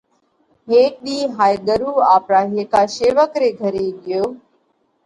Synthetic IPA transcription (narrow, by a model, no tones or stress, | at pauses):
ɦeːk̚ɗiːɦaːjɡəɾuːaːpɾaːɦeːkaːʃeːʋəkɾeːɡʱəɾeːɠɪjoː